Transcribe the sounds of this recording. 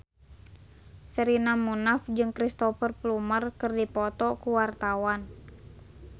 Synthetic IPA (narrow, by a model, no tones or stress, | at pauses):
səɾinamunafd͡ʒɨŋkɾist̪ɔfərplumərkɨrdipɔt̪ɔkuwart̪awan